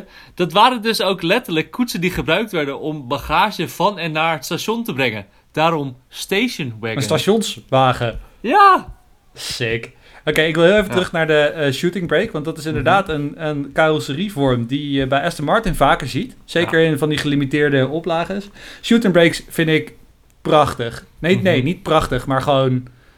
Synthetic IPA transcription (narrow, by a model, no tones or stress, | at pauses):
d̥ɑtʋaːɾəndɵsowklɛtəɹləkːutsəndiχəbrœɥk̚tʋɛɹdənɔmbaχaːʒəvɑnɛnːaːɹətstaʃɔntəbrɛŋə̰n | d̥aːɾɔmstejʃənwɛəstaʃɔnsʋaːχəja | sɪk | okejɪkʋɪlˠɦɪlˠejvətrɵχnaːɹdəʃutɪŋbrejkʋɑntdɑtɪsɪndəɹdaːtənənkaəsərivɔɹmdijjəbɛjʔɛstənmɑɹtɪnvaːkəɹzitsejkəɹenvɑndiχəlimitɪːɹdəɔplaːχəsʃutɪ̃ŋbɹejksfɪndɪk | prɑχtəχnenejnit̚prɑχtəχmaːɹχəʋown